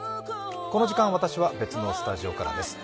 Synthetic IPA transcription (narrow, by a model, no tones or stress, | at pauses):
ko̞no̞ʑikãɰ̃βat̪aɕiβabe̞t͡sɨno̞sɨ̥t̪aʑio̞kaɾa̰d̪e̞sɨ̥